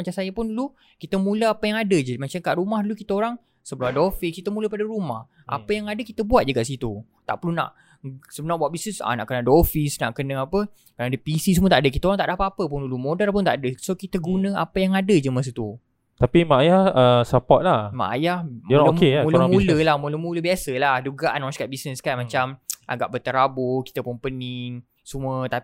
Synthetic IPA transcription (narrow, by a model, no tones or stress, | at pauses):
mat͡ʃamsajəpʊnlu | kit̪əmũləapajaŋadəd͡ʒəmat͡ʃamkaʔɾumahdulukit̪aoɾaŋ | səbəlaadofihkit̪əmũləpadaɾumah | ʔa̰pəjaŋadəkit̪əbuat̪̚d͡ʒəɡaʔsit̪u | t̪a̰ʔpərluna̰ʔ | səbənarbuat̪̚bisnəsa̰naʔkənadəofisna̰ʔkənəŋapə | kənaːdəpisisəmut̪aʔdəkit̪aoɾaŋt̪aʔdapat̪apəpʊnulumodarp̬ʊnt̪a̰ʔadəsokit̪əɡunə̃a̰pəjaŋadəd͡ʒəmas̬ut̪u | t̪apimaajahəsəpɔt̪̚lahma̰ʔa̰jahmmkemuləmuləlahmũləmuləbiasəlahduɡaʔanɔ̃skat̪ʔ̚bisnəskanmãt͡ʃamʔa̰ɡa̰ʔbət̪əɾabʊki̥t̪əpʊnpəniŋ | sumuət̪ai